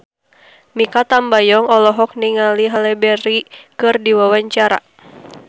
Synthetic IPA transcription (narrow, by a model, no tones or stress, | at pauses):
mikat̪ambajɔŋɔlɔɦɔk̚niŋaliɦalɛbɛɾikɨrdiwawaɲt͡ʃaɾa̰